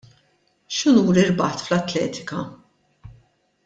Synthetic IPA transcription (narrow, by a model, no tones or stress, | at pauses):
ʃɪnuːɾɪɾbɐħt̪flɐt̪ːlɛ̰ːt̪ɪ̥kɐ